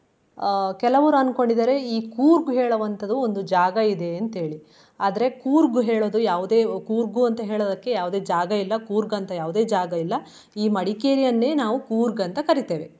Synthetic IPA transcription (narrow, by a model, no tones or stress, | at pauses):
kɛlɐʋɐɾuɐnko̞ɳɖid̪ɐɾe̞iːkuːɾɡuɦeːɭɐʋɐnt̪ʰɐd̪uond̪ud͡ʒaːɡɐid̪e̞ɐnt̪ɦe̞ːɭi | aːd̪ɐɾe̞kuːɾɡuɦeːɭoːd̪ujaːʋud̪e̞ːkuːɾɡuɐnt̪ɐɦe̞ːɭoːd̪ɐkːe̞jaːʋud̪e̞ːd͡ʒaːɡɐilːɐkuːɾɡɐnt̪ɐjaːʋud̪e̞ːd͡ʒaːɡɐilːɐ | iːmɐɽikeːɾijɐnːe̞ːnaːʋukuːɾɡɐnt̪ɐkɐɾit̪eːʋe̞